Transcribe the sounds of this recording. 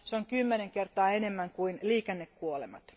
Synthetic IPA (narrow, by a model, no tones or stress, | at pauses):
seoŋkymːeneŋke̞rt̪ɑːene̞mːæŋkuinliːkenːekkuolḛmɑ̰t̪